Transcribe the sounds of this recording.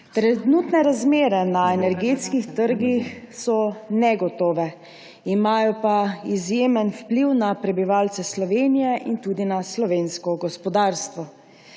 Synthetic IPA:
t̪ɾɛnuːt̪nɛɾazmeːɾɛnaɛnɛɾɡeːt̪skixt̪əɾɡix | sɔnɛɡɔt̪ɔːʋɛ | imaːjɔpaizjeːmənfpliwnapɾɛbiʋaːlt̪sɛslɔʋeːnijɛʔint̪ud̪inaslɔʋeːnskɔɡɔspɔd̪aːɾst̪ʋɔ

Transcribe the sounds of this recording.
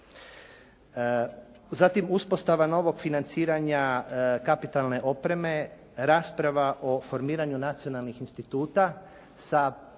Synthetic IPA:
zat̪imuspo̞st̪aʋano̞ʋo̞ɡfinant̪siːɾaɲakapit̪alne̞ʔo̞pɾe̞me̞ | ɾaːspɾaʋaʔo̞fo̞ɾmiːɾaɲunat̪sio̞nalˠnixinst̪it̪uːt̪a | sa

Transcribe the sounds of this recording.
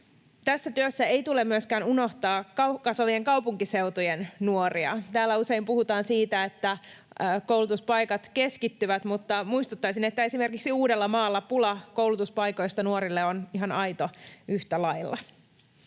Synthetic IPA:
t̪æsːæt̪yøsːæe̞jt̪ulemːyøskæːnuno̞ht̪ɑːkɑkɑsʋɑʋieŋkɑwpuŋkise̞ut̪ujennuoriɑ̰t̪æːlːæuse̞impuhut̪ɑːnsiːt̪æet̪ːæ | kowlut̪uspɑjkɑt̪ke̞skit̪ːyʋæt̪mut̪ːɑmuist̪ut̪ːɑjsinet̪ːæe̞sime̞rkiksiuːdelːɑmɑːlːɑpulɑkowlut̪uspɑjko̞jst̪ɑnuoɾilːeoniɦɑnɑjt̪oyht̪ælɑjlːɑ̰

